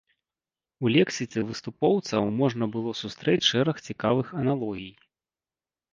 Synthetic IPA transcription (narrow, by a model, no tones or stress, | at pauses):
ulʲɛksʲisʲɛvɨst̪upɔwt̪sɐwmɔʐnɐbɨlˠɔsust̪ɾɛt͡sʲʂɛɾɐxt͡sʲikavɨxɐnalˠɔɣʲij